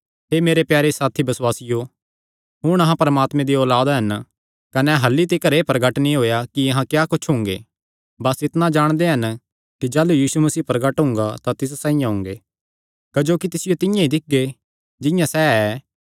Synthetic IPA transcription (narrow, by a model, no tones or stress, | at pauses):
ɦeːmeːɾepjaːɾesaːt̪ʰibɐswaːsɪjo | ɦʊɽ̃ɐɦãpɐɾɐmaːt̪mẽd̪iɔːlaːd̪ɦɐn | kɐnɛɦɐlːit̪̬ikɐɾeːpɾɐɡəʈnĩɦoːjakiɐɦãkjaːkʊt͡ʃʰɦʊ̃ŋɡḛː | bɐsɪt̪nad͡ʒaːɽ̃d̪eɦɐn | kid͡ʒaːlujiːsumɐsiːpɾɐɡəʈɦʊ̃ŋɡat̪at̪ɪs̬sãːĩjãɦʊ̃ŋɡeː | kɐd͡ʒoːkit̪ɪsɪjot̪ɪjãid̪ɪk̚ɡe | d͡ʒɪ̃jãsɛɛ